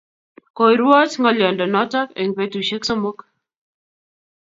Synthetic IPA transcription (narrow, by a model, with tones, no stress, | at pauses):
ko˨i˨ɾwɔ˦tŋɔ˦lɔ˨ndɔ˨nɔ˦tɔ˦ke˨ŋpe˦tu˨ʃe˦kso˦mo˦k